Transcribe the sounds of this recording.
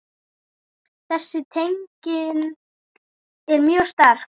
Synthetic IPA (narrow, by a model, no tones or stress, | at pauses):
θɛsːɪt̪ʰejŋcɪn | ɛɾmjœːɣst̪aɾ̥